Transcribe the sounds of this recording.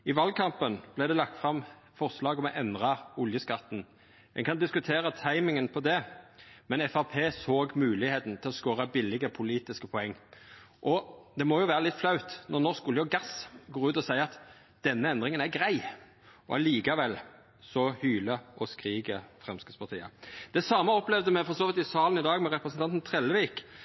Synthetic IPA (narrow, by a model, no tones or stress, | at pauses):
ɪʋɑlkʰɑmpənb̥læɪd̪ɛlɑkt̪fʁɑm | fɔʁslɑːɡɔmɛʔɛnd̪ʁɑʊljəskɑt̪ːn̩ | ɛ̰ŋkɑnd̪ɪskʉt̪ʰeːʁɑt̪ʰɑɪmɪŋənpʰɔd̪ɛmɛnɛfɑʁpʰeːsoːɡmʉːlɪheːt̪n̩t̪ʰɪlɔskoːɾɑbɪlɪɡəɾəpʰʊliːt̪ɪskəpʰɔɛŋː | ʔɔd̪ɛmɔjʊʋæːʁəlɪt̪ːflɑʉt̪nɔʁnɔʁskuljɔɡɑsɡoːɾʉːt̪ɔsæɪəɑt̪ | d̪̥ɛnːəɛnd̪ʁɪŋənæɾɡɾæɪ | ɔ̰ɑliːkɑʋɛl | sɔhyːləʔɔskʁiːɡəfʁɛmskəspʰɑʁt̪ʰiːɑ̰d̪̥ɛsɑːməɔplɛʋd̪əmɛfɔʁsoːʋɪt̪ɪsɑːlənɪd̪ɑːɡmɛɾɛpɾəsnɑnt̪nt̪ʰʁɛlʋiːk